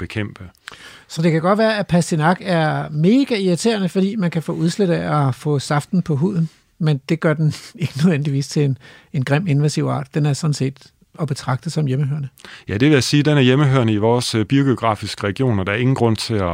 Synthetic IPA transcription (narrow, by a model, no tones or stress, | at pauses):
b̥e̝kʰem̰b̥əsɒ̽d̥e̝kʰæɡ̥ɒ̽d̥ʋæːɐæpʰæsd̥inɑ̈ɡ̥æɐme̝ːɡ̥æiɐt͡sʰe̝̰ːɐnəfɒ̽d̥ḭːmænkʰæfɔ̰ːuð̞ˠsleɾ̥æɒfɔ̰̽ːsɑ̈fd̥n̩pʰɒ̽ɦṵð̰ˠn̩ | mend̥e̝ɡ̥ɶɐd̥ene̝ɡ̥ənøðˠen̰d̥iʋḭːst͡sʰe̝lenenɡ̥ʁɛm̰e̝nʋæsiʊɑ̰̈ːd̥d̥enæɐsɒ̽d̥n̩se̝̰ːd̥ | ɒ̽b̥e̝t͡sʰʁɑ̈ɡ̥̚d̥əsɒ̽mjeməhøɐnəjæd̥e̝ʋe̝jæsiːd̥enæɐjeməɦøɐnəiʋɒːsb̥io̝ɡ̥eoɡ̥ʁɑ̰̈ːfisɡ̥əʁɛɡ̥jo̝̰ːnɒd̥ɑ̈ɐe̝ŋn̩ɡ̥ʁɔ̽n̰t͡sʰe̝læ